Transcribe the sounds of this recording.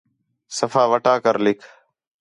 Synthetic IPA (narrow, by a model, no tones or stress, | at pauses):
səfaːʋəʈaːkəɾlɪkʰ